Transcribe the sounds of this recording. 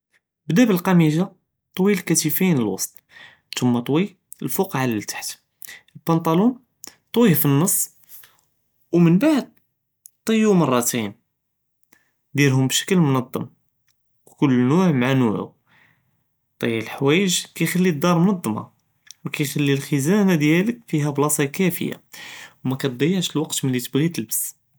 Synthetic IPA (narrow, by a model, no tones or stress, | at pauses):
bd̪æbəlqɑmiʒa | t̪ˤwilkæt̪ifinəlwɑ̰sˤt̪ˤ | t̪ʰʊmːɑt̪ˤwi | əlfuqʕalilt̪ḁħt̪ | əlpɑnt̪ˤɑlun | t̪ˤwifinːɑsˤː | wmənbaʕd̪̚ | t̪ˤəjːumɑrˤːɑt̪in | d̪jælɦʊmbʃə̥kəlmʊnɑd̪ˤːɑ̰m | kʊlːnuʕmʕanuʕṵ | t̪ˤɑjːlħwæjəʒkæjxælːid̪ːɑɾˤmnɑd̪ˤːmɑ̰ | wkæjxælːilxəzænæd̪jæləkfiɦæblɑsˤɑkæfə̰ja̰wmækæt̪̚d̪ˤɑjːəʕʃəlwɑqt̪məlːit̪əbɣit̪əlbəs